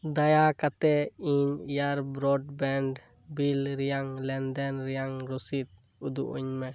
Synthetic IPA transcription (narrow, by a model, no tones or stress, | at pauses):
d̪ajakat̪ɛiɲijaɾbɾɔɖbɛɳɖ | bilɾijaŋlɛnd̪ɛnɾijaŋɾɔsit̪̚ | ud̪ṵʔṵɲmɛ